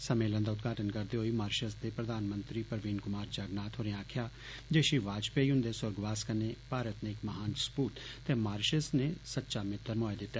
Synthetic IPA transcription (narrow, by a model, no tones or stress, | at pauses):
səmeːlə̃nd̪aːʊd̪ɡaːʈənkəɾd̪eːɦoːiːmaːɾʃəsd̪eːpɾəd̪aːnmə̃nt̪ɾiːpəɾʋiːnkʊmaːɾd͡ʒaːɡnaːt̪ʰɦoːɾẽaːkʰjaː | d͡ʒeːʃiʋaːd͡ʒpeiːʊ̃nd̪eːsʊɾɡʋaːskənːeːpaːɾət̪neːɪkməɦaːnspuːʈt̪eːmaːɾʃəsneːsət̪ːʃaːmɪt̪ːəɾmɔːed̪ɪt̪ːeː